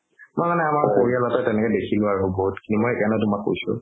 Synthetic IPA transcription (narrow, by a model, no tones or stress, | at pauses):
mɔjmanɛamaɹkoɹialɔtɔtɛnɛkɛdekʰilʊaɹubɔɦutkinimɔjɛkanɔt̬umakːo̰jsʊ̰